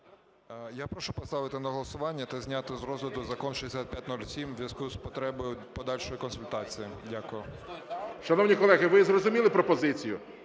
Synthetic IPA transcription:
japɾɔʃupɔst̪ɑʋɪt̪ɪnɐɦɔlˠɐsʊʋɑnʲːɐt̪ɐzʲnʲat̪ɪzɾɔzʋʲɪt̪ʊzɐkɔnʃɪesʲat̪̚pʲjat̚ʲnulʲsʲimzʋjɐskojʊspɔt̪ɾɛbɔjʊpɔd̪ɑlʲʃɔjikɔnsʊlʲt̪ɑt͡sʲijidʲakʊjʊ | ʃɐnɔwnʲikɔlˠɛɣɪʋɪzrɔzʊmʲilˠɪpɾɔpɔzɪt͡sʲijʊ

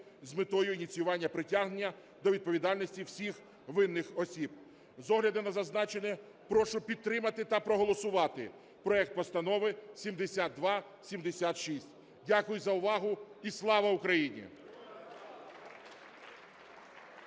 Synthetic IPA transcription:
zʲmɪt̪ɔjʊinʲit̪sʲijʊʋɑnʲːɐpɾɪtʲaɦnenʲːɐ | d̪ɔʋʲid̪̚pɔʋʲid̪ɑlʲnɔsʲtʲiwsʲix | ʋɪnːɪxɔsʲib | zɔɦlʲɐd̪ɪnɐzɐznɑt͡ʃenɛ | pɾɔʃʊpʲid̪̚ɾɪmɐt̪ɪt̪ɐpɾɔɦɔlˠɔsʊʋɑt̪ɪ | pɾɔɛk̚t̪̚pɔst̪ɐnɔʋɪsʲimd̪esʲat̪̚d̪ʋɑ | sʲimd̪esʲat̪ʃisʲtʲ | dʲakʊjʊzɐʊʋɑɦʊislˠɑʋɐʊkɾɐjinʲḭ

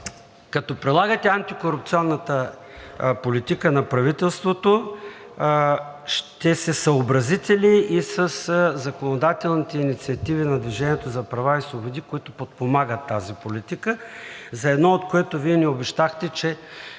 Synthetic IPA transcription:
kɐt̪ɔpɾɛd̪lˠaɡət̪ɛant̪ikoɾup̚t̪siɔnːət̪ə | polit̪ikənɐpɾɐvit̪ɛlˠst̪vot̪o | ʃt̪ɛsɛsɐobɾɐzit̪ɛliisəszɐkonod̪at̪ɛlˠnit̪ɛinit̪siɐt̪ivinɐd̪viʒɛnʲiɛt̪ozɐpɾɐvaisvobod̪ikoit̪ʊpot̪̚pomaɡət̪ːazipolit̪ikəzɐɛd̪nɔot̪koɛt̪ʊviɛniobɛʃt̪axt̪ɛt͡ʃɛ

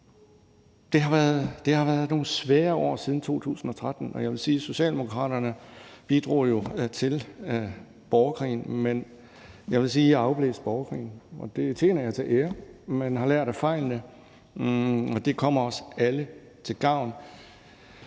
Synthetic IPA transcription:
d̥e̝ɦɑ̈ʋæɐðˠd̥e̝hɑ̈ʋæːɐð̞ˠno̝ːn̩sʋɛːɐɒ̰ːsið̞ˠn̩t͡sʰo̝̰ːt͡sʰṵːsn̩ɒ̽t͡sʰʁad̥n̩ɒ̽jɑ̈ɪʋe̝lsiːso̝ɕɛ̰ːld̥emokʰʁɑ̰̈ːɾ̥ɐnəb̥id̥ʁṵːjo̝t͡sʰe̝l | b̥ɒʊkʰʁḭːnmen | jɑ̈ɪʋe̝lsiːɑ̈ʊb̥lḛːsd̥̚b̥ɒːʊkʰʁḭːn̩ɒ̽d̥e̝t͡sʰe̝̰ːnɐjɑ̈ɪt͡sʰe̝ʔeːɐmænɦɑ̈læɐ̰d̥æfɑ̈ɪ̰lnə | ɒ̽d̥e̝kʰɒ̽m̰ɐɒ̽sælə | t͡sʰe̝lɡ̥ɑ̈ʊ̰n

